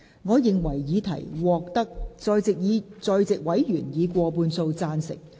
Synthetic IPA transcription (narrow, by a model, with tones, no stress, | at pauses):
ŋɔː˨˧jɪ˨ŋwɐ˨˩jjiː˨˧t̪ʰɐ̰˨˩jwɔː˨k̚t̪ɐ˥k̚t͡sɔː˧jt͡sɪ˨k̚jiː˨˧t͡sɔː˧jt͡sɪ˨k̚wɐ˨˥jjyː˨˩njiː˨˧kʷɔː˧puː˧nso˧wt͡saː˧nsɪ̰˨˩k̚